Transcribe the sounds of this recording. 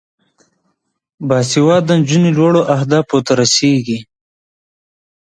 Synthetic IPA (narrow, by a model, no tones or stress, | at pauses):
bɑːsiwɑːd̪ənd͡ʒunilwoɽoʔahd̪ɑːpot̪aɾaseːɡi